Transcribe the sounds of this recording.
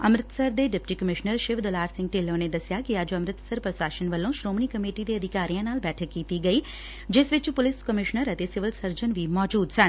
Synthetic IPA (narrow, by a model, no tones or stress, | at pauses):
əmɾɪt̪səɾd̪eɖɪpʈikəmɪʃnəɾʃɪʋd̪əlaːɾsɪ̃ŋɡ̚ʈelːoned̪əsjakiaːd͡ʒoəmɾɪt̪səɾpɾəsaːʃənʋəlõʃɾoːmnikəmeʈit̪eəd̪ʱikaːɾijãnaːlbɛːʈʰəkːiːt̪iɡəi | d͡ʒeːsʋɪt͡ʃupʊlɪskəmɪʃnəɾət̪esɪʋəlsəɾd͡ʒənʋiːmɔːd͡ʒuːd̪t͡ʃʰə̃